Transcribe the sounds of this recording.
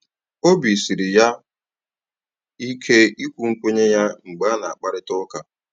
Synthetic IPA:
o˦bi˨si˨ɾɪ˨ja˦ | i˦kʰe˦i˦kʷu˦ŋ̩˦kʷe˦ɲe˦ja˦ŋ͡m̩˨ɡ͡ba˦na˨a˨k͡pa˦ɾɪ˦tɔ˦ka˨

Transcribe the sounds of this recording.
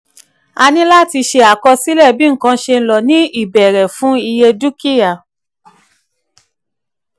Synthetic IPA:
a˧nĩ˦la˦˨ti˧ʃe˧a˨kɔ˧si˦lɛ˦˨bĩ˨˦˨kã˧˦ʃe˧n̩˦˧lɔ˨nĩ˨˦i˦˨bɛ˨ɾɛ˨fũ˨˦i˧je˧du˦ki˦ja˨

